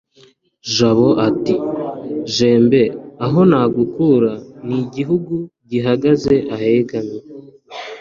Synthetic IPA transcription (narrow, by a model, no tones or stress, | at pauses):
ʒaβo̞ʔati | ʒe̞ːmbe̞aɦo̞naːɡukuɾaniɟiɦuɡuɟiɦaɡaze̞ʔahe̞ɡaɲe